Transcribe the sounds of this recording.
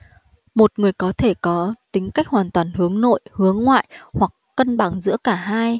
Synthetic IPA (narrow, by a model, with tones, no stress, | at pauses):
mo˨˩t̚ŋɨ˨˩əjkɔ˨˦t̪ʰe˧˩kɔ˨˦t̪ï˨˦ŋ̟ka˦˥jk̟̚hwaː˨˩nt̪waː˨˩nhɨ˨˦əŋno̰˧˨jhɨ˨˦əŋːwa̰ː˧˨jhwa˨˩kːə˧nɓa˧˩ŋzɨ̰˧˥əkaː˧˩ɦaː˧j